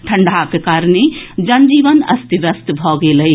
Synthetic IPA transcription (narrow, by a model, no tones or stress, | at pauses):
ʈʰəɳɖʱakekaːɾned͡ʒɐnd͡ʒiːʋənɐ̰st̪iʋɐst̪bʱɔːɡeləi